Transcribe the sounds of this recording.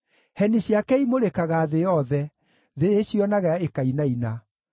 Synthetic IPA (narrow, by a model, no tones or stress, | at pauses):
hɛniɕjakɛimoɾekaɣaːðejɔðɛ | ðeeɕjɔnaɣaaekainaina